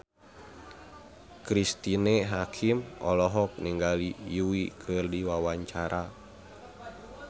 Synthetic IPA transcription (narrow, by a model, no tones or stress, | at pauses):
kɾist̪inɛɦakʰimɔlɔɦɔk̚niŋɡalijuwikʰɨrdiwawaɲt͡ʃaɾa